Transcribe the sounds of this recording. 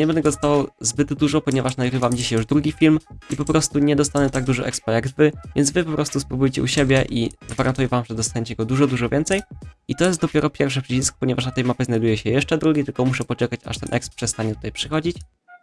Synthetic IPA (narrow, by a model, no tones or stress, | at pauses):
ɲɛbɛnd̪ɛɡɔɔst̪avawzbɘd̪d̪uʐɔpɔɲɛvaʂnaɡɾɘvamd͡ʑiɕajuʐd̪ɾuɡʲifʲilmʔipɔpɾɔst̪uɲɛd̪ɔst̪aɲɛt̪aɡ̚d̪uʐɔʔɛkspajaɡd̪vɘvʲjɛnzvɘpɔpɾɔst̪uspɾubujt͡ɕɛ̰uɕebʲjɛʔiɡvaɾʔant̪ujɛvamʐɛd̪ɔst̪aɲet͡ɕɛɡɔd̪uʐɔd̪uʐɔvʲjɛnt̪sɛjit̪ɔjɛst̪d̪ɔpʲjɛɾɔpʲjɛɾfʂɛpʂɘt͡ɕiskɔ̥pɔɲɛvaʂnat̪ɛjmapʲɛznajd̪ujɛɕɛjɛʂt͡ʂɛd̪ɾuɡʲit̪ɘlkɔmuʂɛpɔt͡ʂɛkat͡ɕa̰ʂt̪ɛnʔɛkspʂɛst̪aɲɛt̪u̥t̪ajpʂɘxɔd͡ʑit͡ɕ